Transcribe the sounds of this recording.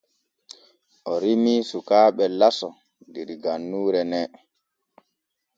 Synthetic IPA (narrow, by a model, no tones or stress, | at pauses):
ʔɔɾimisukaːɓɛlasɔ | diɾiɡanːuːɾɛnɛ